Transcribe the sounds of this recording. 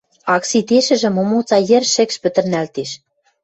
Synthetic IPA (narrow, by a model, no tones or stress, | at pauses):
ɑksit̪eʃɘ̆ʒɘ̆momot͡sɑjĕrʃɘ̆kʃpɘ̆t̪ə̆rnælt̪eʃ